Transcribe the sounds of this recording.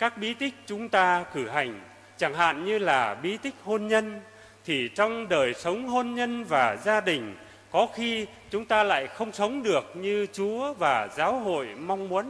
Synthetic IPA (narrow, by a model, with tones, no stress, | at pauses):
kaː˦˥k̚ɓi˨˦t̪ï˦˥k̟̚t͡ɕʊ˨˦ŋ͡mt̪aː˧kɨ˧˩ɦa˨˩jŋ̟ | t͡ɕa˧˩ŋɦa̰ː˧˨nɲɨ˧laː˨˩ɓi˨˦t̪ï˦˥k̟̚ho˧nɲə˧n | t̪ʰi˨˩t͡ɕɔ˧wŋ͡mɗəː˨˩jsə˨˦wŋ͡mɦo˧nɲə˧nvaː˨˩zaː˧ɗï˨˩ŋ̟ | kɔ˨˦xi˧ | t͡ɕʊ˨˦ŋ͡mt̪aː˧la̰ː˧˨jxə˧wŋ͡msə˨˦wŋ͡mɗɨ˨˩ək̚ɲɨ˧t͡ɕu˨˦əvaː˨˩zaː˨˦wɦo̰˧˨jma˧wŋ͡mmu˨˦ən